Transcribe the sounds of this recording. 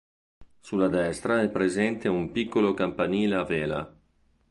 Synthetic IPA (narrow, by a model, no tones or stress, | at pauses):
sulːad̪ɛst̪ɾaɛpːɾezɛnt̪eumpikːolokampaniːleaveːla̰